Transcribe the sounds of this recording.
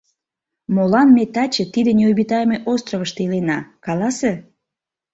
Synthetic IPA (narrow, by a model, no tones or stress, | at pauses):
molɑnmet̪ɑt͡ɕĕt̪id̪enʲeojβit̪ɑjmeʔost̪roβəʃt̪eilenɑkɑlɑse